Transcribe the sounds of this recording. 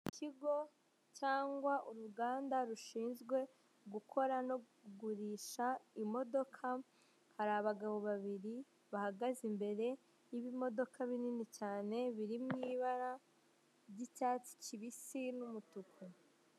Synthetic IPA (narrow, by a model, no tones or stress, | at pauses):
kʰiɡo̞ | t͡ʃaːŋɡwaʔuɾuɡaːndaɾuʃiːnzɡwe̞ | ɡukʰo̞ɾano̞ | uɡuɾiʃaimo̞do̞kʰa | haɾaβaɡaβo̞βaβiɾi | βahaɡazimbe̞ɾe̞ | jiβimo̞do̞kʰaβininit͡ʃaːne̞βiɾimŋiːβaɾa | ɟicaːt͡si̥t͡ʃiβisinumutukʰu